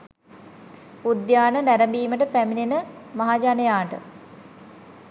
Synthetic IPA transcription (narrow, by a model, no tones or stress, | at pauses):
ud̪jaːnənæɾəmbiːməʈəpæminenəmaɦaːd͡ʒanejaːɳʈə̰